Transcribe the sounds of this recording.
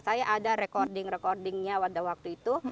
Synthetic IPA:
sajaʔadaɾɛkɔrdɪŋrɛkɔrdɪŋɲawadawak̚t̪uit̪u

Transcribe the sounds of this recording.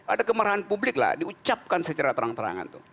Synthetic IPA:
adakəməɾaɦanpublɪkla̰hdiut͡ʃap̚kansət͡ʃaɾat̪əɾaŋt̪əɾa̰ŋa̰nt̪u

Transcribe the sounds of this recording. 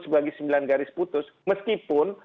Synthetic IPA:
səbaɡisəmbilanɡaɾɪsput̪ʊs | məskipʊn

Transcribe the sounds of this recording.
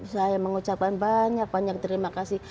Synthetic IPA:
sajaməŋut͡ʃap̚kanbaɲak̚baɲak̚t̪əɾimakasih

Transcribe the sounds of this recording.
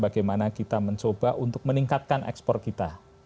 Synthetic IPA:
baɡajmanakit̪aməɲt͡ʃobaʔunt̪ʊk̚məniŋkat̪̚kanʔɛ̰kspɔr̚kit̪a

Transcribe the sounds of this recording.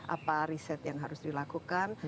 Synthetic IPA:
ʔa̰paɾisɛt̪jaŋɦaɾʊsdilakukan

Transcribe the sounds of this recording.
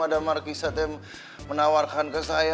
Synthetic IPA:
adamarkisat̪ɛm | mənawarkankəsaja

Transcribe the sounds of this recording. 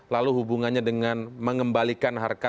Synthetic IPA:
laluɦubuŋanɲadəŋanməŋəmbalikanɦarka

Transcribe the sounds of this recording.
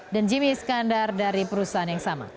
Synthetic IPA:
dand͡ʒimiskandardaɾipəɾusaɦanjaŋsama̰

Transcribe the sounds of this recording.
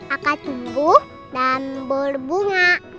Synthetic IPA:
akat̪ubu | danbərbuŋaʔ

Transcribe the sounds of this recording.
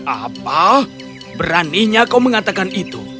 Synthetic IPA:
ʔapa | bəɾaniɲakawməŋat̪akanit̪u

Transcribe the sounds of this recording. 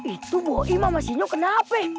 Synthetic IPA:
it̪ubuɔʔimamasiɲokənapɛ

